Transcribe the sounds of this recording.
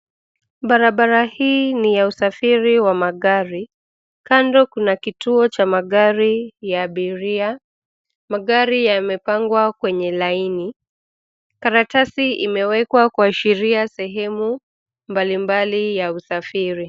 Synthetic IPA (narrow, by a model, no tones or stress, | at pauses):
ɓaɾaɓaɾahiːnijausafiɾiwamaɠaɾi | kandɔkunakitʰuɔt͡ʃamaɠaɾijaːɓiɾia | maɠaɾijamɛpaŋɡwakwɛɲɛlaini | kaɾatasiimɛwɛkwakuaʃiɾiasɛɦɛmu | mbalimbalijausafiɾi